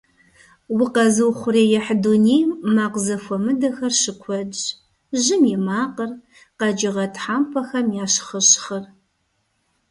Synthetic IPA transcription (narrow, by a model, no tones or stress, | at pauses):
wɪqɐzɨwχʷʊreːjɛħduːnejmaːqzɐfʷɔmɨdɐxɐrʃɨkʷʰɔd͡ʒ | ʒɨmjɛmaːqər | qɐd͡ʒɪʁɐtħaːmpʰɐxɐmjaːʃχəɕχɐr